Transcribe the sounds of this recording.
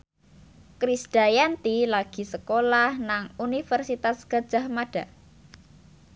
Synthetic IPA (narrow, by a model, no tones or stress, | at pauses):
kɾisd̥a̤jant̪ilaɡ̥i̤səkolahnaŋunifərsit̪asɡ̥a̤d̥ʒ̥a̤hmaɖ̥a̤